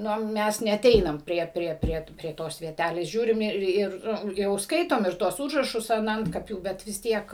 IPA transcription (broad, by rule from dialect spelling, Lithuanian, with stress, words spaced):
ˈnoː ˈmʲɛs nʲɛɐˈtʲɛɪnɐm ˈpʲrʲiɛ ˈpʲrʲiɛ ˈpʲrʲiɛ pʲrʲiɛ ˈtoːs ʋʲiɛˈtʲælʲeːs ˈʒʲuːrʲɪm ˈɪr ˈɪr ˈjɛʊ ˈskɐɪtoːm ɪr ˈtuɔs ˈuːʒrɐʃʊs ɐn ˈɐntkɐpʲuː ˈbʲɛt ʋʲɪs ˈtʲiɛk